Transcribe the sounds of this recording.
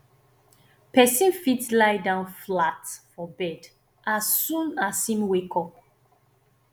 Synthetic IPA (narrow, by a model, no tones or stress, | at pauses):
pɛsĩnfitlaɪdãʊ̃nflatfɔbɛd | asːũnasĩmwekʰɔp̚